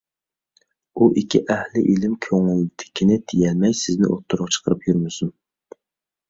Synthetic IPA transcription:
uʔikʲʰːiʔɛhlɪʔilɪmkʲʰøŋyld̪ʰɪ̥kʲʰːinɪt̪ʰijɛlmɛjsɪznɪ̰ʔot̪ʰːuɾʁɑt͡ʃʰə̥qʰəɾɨpjyɾmɪsun

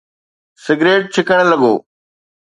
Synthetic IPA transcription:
sɪɡɾeːʈ̚t͡ʃʰɪkəɽ̃lɐɡo̰ː

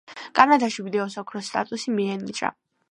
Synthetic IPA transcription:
kʼanad̪aʃivid̪ɛɔsɔkʰɾɔst̪ʼa̰t̪ʼusimiɛnit͡ʃʼa̰

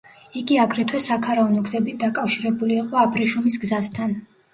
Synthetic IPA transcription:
iɡiaɡɾɛt̪ʰwɛsakʰaɾaɔnɔɡzɛbit̪̚ʰd̪akʼafʃiɾɛbuliːqʼɔapʰɾiʃumisɡzast̪ʰan

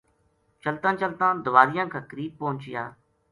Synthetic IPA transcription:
t͡ʃəlt̪ãːt͡ʃəlt̪ãːd̪ʊʋaːɾɪjãːkʰaːkəɾiːb̚poːʊ̃ɲt͡ʃɪja̰ː

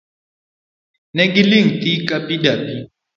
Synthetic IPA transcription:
nɛɡiliŋ̩tikʼapidapi

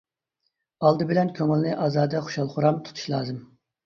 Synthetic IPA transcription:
ɑlˠd̪ɨbɪlɛnkʲʰøŋɪlˠnɨʔɑːzɑːd̪ɛχo̥ʃɑlˠχʊɾɑmt̪ʰu̥t̪ʰu̥ʃlˠɑːzɨm

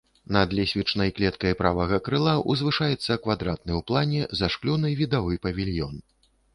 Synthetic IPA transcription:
nɐd̪lʲɛsʲvʲit͡ʂnɐjklʲɛt̪kɐjpɾavɐɣɐkɾɨlˠaʔṵzvɨʂajɛt̪sːɐkvad̪ɾat̪̚nɨwplˠanʲɛzaʂklʲunɨvʲid̪avɨpɐvʲilʲjɔn

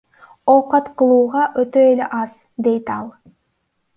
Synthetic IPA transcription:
oqɑt̪qɯlˠuːʁɑʔøt̪øeleʔɑz̥ | d̪e̞jt̪ɑlˠ

